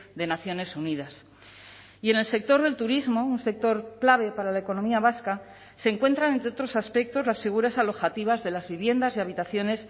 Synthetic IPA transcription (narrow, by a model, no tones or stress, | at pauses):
d̪e̞naθjo̞ne̞sunið̞as | ie̞nelse̞k̚t̪o̞ɾðe̞lt̪uɾizmo̞unse̞k̚t̪o̞ɾklaβ̞e̞paɾalaeko̞no̞miaβ̞aska | se̞ŋkwe̞nt̪ɾanent̪ɾeo̞t̪ɾo̞saspe̞k̚t̪o̞zlasfiɣ̞uɾasalo̞xat̪iβ̞azðe̞lazβiβ̞je̞nd̪azeaβit̪aθjo̞ne̞s